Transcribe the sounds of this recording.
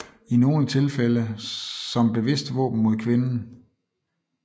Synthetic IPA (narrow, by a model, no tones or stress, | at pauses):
ino̝ːnət͡sʰe̝lfeləsɒ̽mb̥e̝ʋe̝sd̥ʋɔ̰ːb̥n̩mo̝ð̞ˠkʰʋe̝nn̩